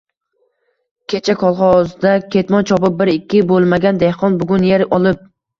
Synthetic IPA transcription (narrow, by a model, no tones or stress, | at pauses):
kʲʰet͡ʃʰakʰɒlˠχɒzd̪akʲʰe̞t̪mɒnt͡ʃʰɒpɪp̚bɪɾɪkʲːɪbolˠmaɡʲand̪ehqɒnbʊɡʲʊnjeɾɒlˠɪp̚